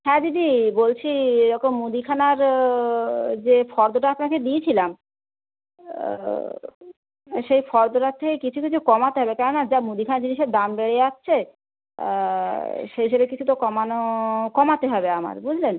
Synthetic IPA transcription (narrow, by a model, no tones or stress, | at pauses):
ɦɛ̃d͡ʑidibolt͡ɕʰieɾɔkomːud̪ikʰanaɾ | d͡ʑefɔɾd̪oʈaapnaked̪iet͡ɕʰilam | ʃejfɔɾd̪oʈat̪ʰekekit͡ɕʰukit͡ɕʰukɔmat̪eɦɔbekɛnonad͡ʑamud̪ikʰanaɾd͡ʑiniʃeɾd̪ambeɽeatːɕʰḛ | ʃeobekit͡ɕʰut̪okɔmanokɔmat̪eɦɔbeama̰ɾbud͡ʑʱlen